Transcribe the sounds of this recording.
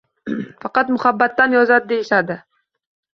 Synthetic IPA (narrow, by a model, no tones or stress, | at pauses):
fɑqɑt̪mʊhabːat̪ːanjɒzad̪ɪd̪e̞jɪʃad̪ɪ